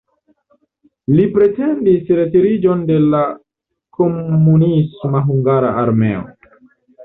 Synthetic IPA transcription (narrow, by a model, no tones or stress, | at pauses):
lipɾe̞tendisɾetiɾid͡ʒonde̞la | komːunismaɦuŋɡaɾaaɾme̞̰o̰